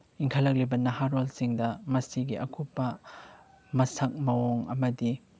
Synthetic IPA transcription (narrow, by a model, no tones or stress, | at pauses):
iŋkʰɐlɐk̚libɐnɐɦaɾolsiŋdɐmɐsiɡiʔɐkʰupːɐ | mɐsɐk̚mɐwoŋɐmɐdi